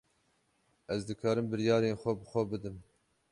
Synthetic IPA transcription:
ʔɛzd̪ɨkʰɑːɾɨmbɨɾjɑːɾeːnxʷɛbɨxʷɛbɨd̪ɨm

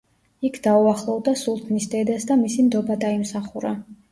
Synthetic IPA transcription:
ikʰd̪auaχlˠɔvd̪asulˠt̪ʰnisd̪ɛd̪asd̪amisimd̪ɔbad̪aimsaχuɾa

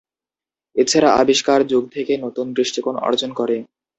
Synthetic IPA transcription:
et͡ɕʰaɾaʔa̰biʃkaɾd͡ʑoɡt̪ʰekenot̪unb̪ɾiʃʈikonɔ̰ɾd͡ʑonkɔɾe

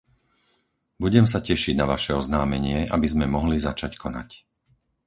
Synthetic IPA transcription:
buɟɛms̬acɛʃiɟnaʋaʃɛɔznaːmɛɲɪɛʔabizmɛmɔɦlizat͡ʃackʰɔna̰c

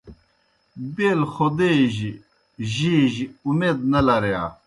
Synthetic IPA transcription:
beːlxod̪eʑi | ʑiʑiumeːd̪nɐlɐɾeja̰ː

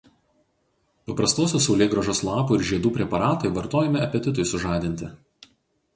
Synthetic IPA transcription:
pɐpɾɐst̪oːsʲoːsɒʊlʲeːɡɾɐʒoːslˠɑːpuːɪɾʒʲiɛd̪uːpʲɾʲɛpɐɾɑːt̪ɐɪʋɐɾt̪oːjɛmʲɪɐpʲɛt̪ʲɪt̪ʊɪsʊʒɑːd̪ʲɪnʲt̪ʲɪ

